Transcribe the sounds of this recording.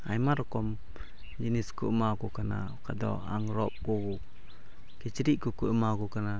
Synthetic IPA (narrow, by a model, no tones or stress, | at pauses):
a̰jmaɾɔkɔm | d͡ʒiniskumakukana̰ | kadɔ̰a̰ŋɾɔp̚kuku | ket͡ʃiɾiʔkukuəmakukana